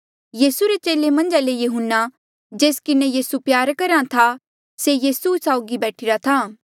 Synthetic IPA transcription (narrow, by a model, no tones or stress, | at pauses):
jiːsuɾet͡ʃeːlemɐ̃nd͡ʒalejʊɦʊnːa | d͡ʒeːskɪnejiːsupjaːɾkɐɾãt̪ʰa | sejiːsusaːʊɡibɛːʈʰɪɾat̪ʰaː